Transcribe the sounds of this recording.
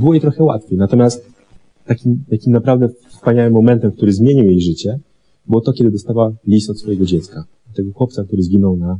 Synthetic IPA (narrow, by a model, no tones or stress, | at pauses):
bɘwɔjet̪ɾɔxɛwa̰t̪fʲjejnat̪ɔmʲjast̪ː | akʲimt̪akʲimnapɾavd̪ɛfspaɲawɘmːɔmɛnt̪ɛmk̚t̪uɾɘzmʲjeɲiwjejʐɘt͡ɕɛ | bɘwɔt̪ɔkʲɛd̪ɘd̪ɔst̪awalʲist̪ɔt̪sfɔjɛɡɔd͡ʑɛt̪ska | t̪ːɛɡɔxwɔp̚t̪sakt̪uɾɘzɡʲinɔwna